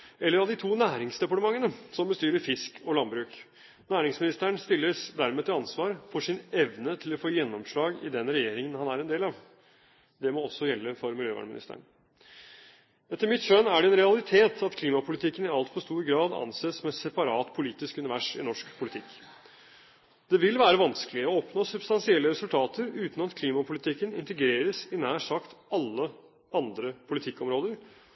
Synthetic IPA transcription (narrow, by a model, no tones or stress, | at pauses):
ɛlːəɾɑʋd̪ɪt̪ʰuːnæːɾɪŋsd̪ɛpɑʈəmɑŋːənəsɔmbəst̪yːɾəɾfɪskʰɔlɑnbɾʉːk | næːɾɪŋsmɪnɪst̪əɳst̪ɪlːəʂd̪æɾmeːt̪ʰɪɑnsʋɑːɾfɔʂɪnɛʋnət̪ʰɪlɔfoːjɛnːɔmʂɭɑːɡɪ̰d̪ɛnɾɛjeːɾɪŋənhɑnæɾɛnd̪eːlɑʋ | d̪ɛmɔɔsːɔjɛlːəfɔɾmɪljøːʋɑ̰ɳmɪnɪ̰st̪ə̰ɳ | ɛt̪ːəɾmɪt̪ʃœnæɖɛɛnɾɛɑlɪt̪ʰeːt̪ʰɑt̪kʰliːmɑpʰʊlɪt̪ʰɪkːənɪɑlt̪pʰɔst̪uːɾɡɾɑːd̪ɑ̰nseːsmɛt̪sɛpɑɾɑːt̪pʰʊliːt̪ɪskʉnɪʋæʂɪ̰nɔʂkpʰʊlɪt̪ʰɪkː | d̪̥ɛʋɪlʋæːɾəʋɑnskəlɪəɔɔpnoːsʉbst̪ɑnsɪɛlːəɾɛsʉlt̪ʰɑːt̪əɾʉːt̪n̩ɑt̪kʰliːmɑpʰʊlɪt̪ʰɪkːənɪnt̪ɛɡɾeːɾəsɪnæːʂɑkt̪ɑlːə | ɑnd̪ɾəpʰʊlɪt̪ʰɪkːɔmɾoːd̪əɾ